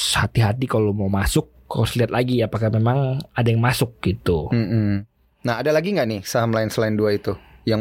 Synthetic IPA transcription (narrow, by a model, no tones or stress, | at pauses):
hat̪iɦat̪ikalomaumasʊk̚ː | aʊsliat̪̚laɡiapakahmemaŋadajŋmasʊk̚ɡit̪um̩m̩ | naɦadalaɡiŋɡaʔnɪhsaɦamlaɪnsəlaɪnduait̪ujaŋ